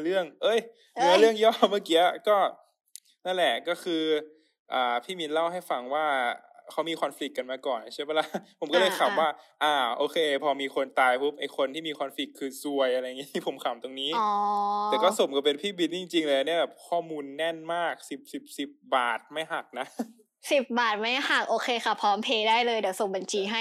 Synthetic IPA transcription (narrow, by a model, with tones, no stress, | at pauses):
lɯ˥˩əŋʔɤ˧˥˩j | mɯ˧˦ə˧lɯ˥˩əŋjɔː˥˩ma˥˩ki˧˦əkɔː˥˩ | na˥˩nlɛ˨˩ʔkɔː˥˩kʰɯː˧ | ʔaː˨˩pʰiː˥˩bi˧nla˥˩wha˥˩jfa˧ŋwaː˥˩ | kʰa˦˥wmiː˧xʰɔ˧nfli˨˩kːa˧nmaː˧kɔː˨˩nt͡ɕʰːpa˧˥˩la˧˩pʰo˨˩˦mkɔː˥˩lɤː˧˩jkʰa˨˩mwaː˥˩ʔaː˧˩ʔoː˧kʰeː˧pʰɔː˧miː˧xʰo˧nt̪aː˧jpʰu˦˥p̚ʔa˧jkʰo˧nt̪ʰiː˥˩iː˧xʰɔː˧nfli˨˩kʰːɯː˧su˧əjʔa˧ɾa˧jːa˨˩ŋiː˦˥i˦˥˩pʰo˩˦mkʰa˨˩˦mt̪o˧ŋniː˦˥ɔː˨˩˦tɛː˨˩kɔː˥˩so˨˦mkɔ˥˩pe˧npʰiː˥˩bi˧nt͡ɕi˧ŋt͡ɕi˧ŋlɛː˧˩˧ni˥˩ɐbɛː˨˩p̚kʰɔː˥˩muː˧nːɛ˥˩nmaː˥˩k̚si˨˩p̚si˨˩p̚si˨˩p̚baː˨˩t̪̚ma˥˩jɦa˨˩k̚na˦˥ | si˨˩p̚baː˨˩t̪̚ma˥˩jha˨˩k̚ʔoː˧xʰeː˧xa˥˩pʰɔː˨˦˥mpʰeː˧daː˥˩jlɤː˧jdwso˨˩˦mba˨˧˩nt͡ɕʰiː˧ɦa˥˩j